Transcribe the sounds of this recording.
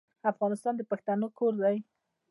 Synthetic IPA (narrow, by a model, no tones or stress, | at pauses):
afɣɑnɪst̪ɑnd̪əpaxt̪anokʰoɾd̪aj